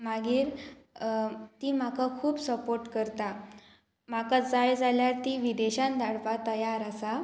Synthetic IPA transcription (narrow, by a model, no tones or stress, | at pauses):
maɡiːɾ | t̪iːm̤akakʰuːbsəpoɾʈkəɾt̪a | m̤akad͡zajd͡zaljaɾt̪iʋid̪eɕãnd̪aɽpat̪əjaɾasa